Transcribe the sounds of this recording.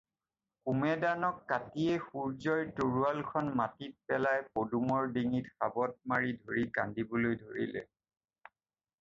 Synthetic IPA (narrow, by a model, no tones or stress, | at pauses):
kumɛdanɔkːatiɛxuɹzɔjtoɹualkʰɔnmatit̚pɛlajpodumɔɹdiŋitxabɔt̚maɹidʱoɹika̰ndibɔlojdʱoɹḭlɛ̰